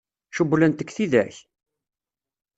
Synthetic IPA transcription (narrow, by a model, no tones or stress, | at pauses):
ʃubːlənt̪əkːθiðæç